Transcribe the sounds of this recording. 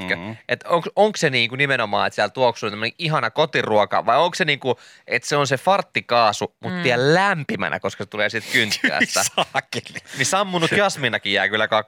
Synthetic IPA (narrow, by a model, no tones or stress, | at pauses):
køʔet̪oŋksoŋkseniːŋkunimenomɑ̰ːḛt̪siælt̪uoksunt̪æmːneʔiɦɑnɑkot̪iruokɑ̰ʋɑioŋkseniːŋku | ʔet̪seonsefɑrt̪ːikɑːsumut̪t̪iællæmpimæ̰næ̰koskɑset̪uleːsit̪kynt̪ːæ̰ːst̪æsɑːkelinisɑmːunːukɑsminɑkijæːkylːækɑk